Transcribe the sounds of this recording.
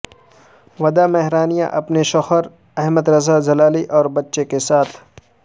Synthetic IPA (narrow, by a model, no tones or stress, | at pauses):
ʋɐd̪amɛɦɾaːnijã̰ʔɐpneʃɔxəɾ | ɛɦməd̪ɾɐzad͡ʒɐlaːliʔɔːɾbɐtːʃekesaːt̪ʰ